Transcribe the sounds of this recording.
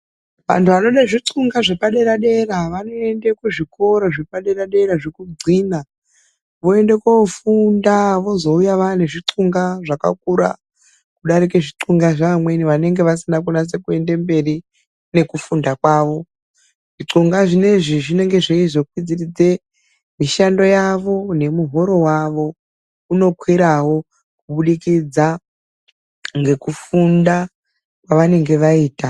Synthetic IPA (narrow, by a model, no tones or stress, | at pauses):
ʋa̰ntʰuʋano̞ɗaʐiǀuŋɡaʐepaɗe̞ɾaɗe̞raʋano̞e̞ndekuʐikʰo̞ɾoʐepaɗe̞ɾaɗe̞ɾaʐekud͡ziːna | ʋo̞e̞nde̞kofundaʋo̞zo̞ujaʋaneʐiǀuŋɡaʐaka̰k̚uɾa̰ | kuɗaɾike̞ʐiǀuŋɡaʐaamwe̞niʋane̞ŋɡe̞ʋasinak̬onas̬e̞kue̞nde̞mbe̞ri | ne̞kufundakwaːʋo̞ | ʐ̥iǀuŋɡaʐine̞ʐiʐine̞ŋɡe̞ʐeizo̞kwid͡zirid͡ze̞ | miʃando̞jaʋo̞ne̞muɦo̞ɾo̞waʋo̞ | uno̞kwiɾawo̞ | kuuɓuɗikid͡za | ŋɡe̞kufunda | kwaʋane̞ŋɡe̞ʋaiːta